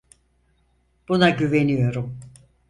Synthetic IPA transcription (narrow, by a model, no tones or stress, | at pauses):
b̥unaɟyve̞nijo̞ɾum